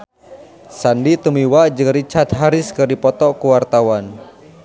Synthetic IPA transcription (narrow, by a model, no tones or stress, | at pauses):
sandit̪umiwad͡ʒɨŋɾit͡ʃat̪ɦaɾɪskɨrdipɔt̪ɔkuwart̪awan